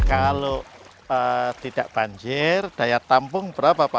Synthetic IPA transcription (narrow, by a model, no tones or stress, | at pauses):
kalo | ət̪id̥aʔb̥aɲd͡ʒɪrd̥ajat̪ampʊŋb̥əɾapapa